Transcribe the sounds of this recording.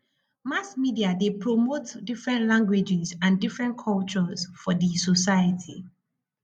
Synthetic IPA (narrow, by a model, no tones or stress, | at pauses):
masmidiadepʰɹɔmotdifɹɛ̃ntlãŋɡwed͡ʒizãndifɹɛ̃nkʰɔlt͡ʃɔzfɔdisɔsajətʰi